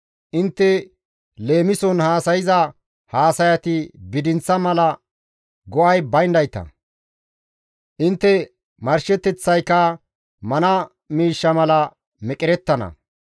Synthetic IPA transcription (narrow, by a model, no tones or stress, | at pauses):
ʔɪnt̪ːɛ | le̞ːmɪsɔnhaːsɐjɪzɐ | haːsɐjɐt̪ɪbɪd̪ɪnt͡sːɐmɐlɐ | ɡɔʔɐjbɐjnd̪ɐjt̪ɐ̰ | ʔɪnt̪ːɛ | mɐɾʃɛt̪ːɛt͡sːɐjkːɐ | mɐnɐ | miːʃːɐmɐlɐ | mɛkʼɪɾɛt̪ːɐnɐ̰